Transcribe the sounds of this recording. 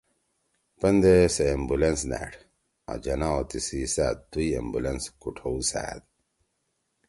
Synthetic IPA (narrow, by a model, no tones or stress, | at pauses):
pɐnd̪eseːmbulensnæ̰ʈ | a̰d͡ʑɐnaot̪isisad̪uiḛmbulenskuʈʰowsa̰ːd̪